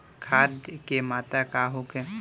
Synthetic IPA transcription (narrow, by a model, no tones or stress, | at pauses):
kʰaːd̪kemaːt̪akaɦokẽ